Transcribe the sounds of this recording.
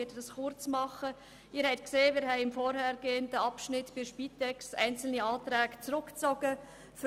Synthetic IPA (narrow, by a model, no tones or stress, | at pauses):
ɪdədɑsχʊɾt͡smɑχə | ɪːɾhɛɪt̪̚kseːmɪːɾɦɛɪɪmfɔɾhɛɾɡeːəndəɑpʃnɪtb̥ɪʃpiːtɛkstæ̰ɪnt͡sl̩niɑːt̪ɾæːɡt͡sɾʊkt͡sɔɡ̥ə | f